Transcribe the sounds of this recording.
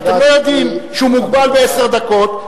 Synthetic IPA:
t̪emlojod̪imʃumuɡbalbeeseʁd̪ako̞t̪

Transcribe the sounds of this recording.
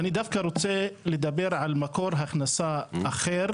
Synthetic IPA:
ʔanid̪afkaɾˤot͡selɪd̪abːɪɾʕalmakoɾˤɦaxnasaʔaxeːɾ

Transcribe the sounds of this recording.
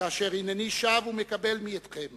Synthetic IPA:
aaʃeʁinaniʃavume̞kabe̞lmiet̪χem

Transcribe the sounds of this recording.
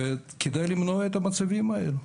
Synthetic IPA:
ekʰed̪ajlimnoet̪ɐmɐt͡sɐvimɐḛlu

